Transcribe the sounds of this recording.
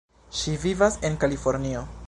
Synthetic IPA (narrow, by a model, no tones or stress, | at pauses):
ʃivivase̞nkalifo̞ɾnio̞